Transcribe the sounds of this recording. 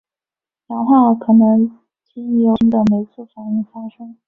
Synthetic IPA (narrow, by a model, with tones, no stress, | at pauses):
t͡ɕa˨˥ŋxwa˥˩kʰɤ˨˩nɤ˧˥ŋ | t͡ɕi˥˩jo˧˥ŋd̪ə˨me˧˥ɪt͡s̩ʰ˥˩fa˨˩ni˥˩ŋfa˥ʂɤ˥ŋ